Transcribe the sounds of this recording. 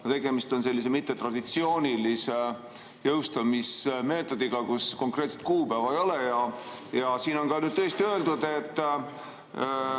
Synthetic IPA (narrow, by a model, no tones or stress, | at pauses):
ɑt̪e̞ɡ̥e̞mist̪o̞nse̞lːis̬e̞mit̪ːe̞t̪rɑd̪̥it̪sio̞ːnʲilise | jɤwst̪ɑmisme̞ːt̪ːˑo̞d̪̥iɡ̥ɑkusko̞ŋkˑre̞ːt̪set̪̚kuːpæːvɑejo̞lejɑjɑsiːno̞nkɑnyːd̪̥t̪ɤest̪iø̞eld̪ud̪̥e̞t̪ː